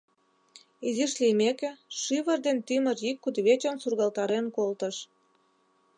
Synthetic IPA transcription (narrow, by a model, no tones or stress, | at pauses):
iziʃlimekĕʃiβərd̪ent̪ymərjikːud̪βet͡ɕənsurɣɑlt̪ɑɾenkolt̪əʃ